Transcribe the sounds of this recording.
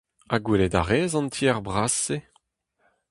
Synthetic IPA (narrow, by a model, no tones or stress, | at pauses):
aɡweledaʁeːzɑ̃ntʰiɛʁbʁase